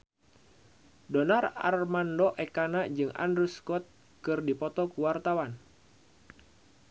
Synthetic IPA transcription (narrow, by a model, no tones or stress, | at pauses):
dɔnara̰rmandɔʔɛkanad͡ʒɨŋa̰ndɾuskɔt̪̚ | kɨrdipɔt̪ɔkuwart̪awan